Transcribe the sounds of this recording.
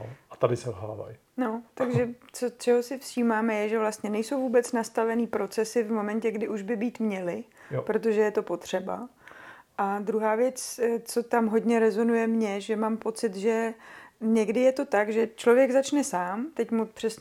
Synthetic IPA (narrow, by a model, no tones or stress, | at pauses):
ʔat̪adɪsɛlɦa̰ːva̰j | not̪aɡʒɛt͡sot͡ʃɛɦo̞sɪfʃiːmaːmɛjɛʒɛvlast̪ɲɛnɛjso̞wvuːbɛt͡snast̪avɛniːpɾo̞t͡sɛsɪvmo̞mɛncɛɡdɪʔuʒbɪbiːt̪mɲɛlɪ | pɾo̞t̪̬oʒɛjɛt̪o̞po̞t̪r̝̥ɛba̰ | ʔad̪ɾuɦaːvjɛt͡st͡so̞t̪amɦo̞dɲɛɾɛzo̞nujɛmɲɛʒɛmaːmpo̞t͡sɪt̪ʒɛ | ɲɛɡdɪjɛt̪o̞t̪aɡʒɛt͡ʃlo̞vjɛɡzat͡ʃnɛsaːmt̪ɛcmupr̥ɛs